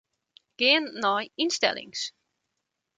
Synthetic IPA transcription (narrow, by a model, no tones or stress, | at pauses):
ɡ̥ɪənnɔjinstɛ̰lɪ̰ŋs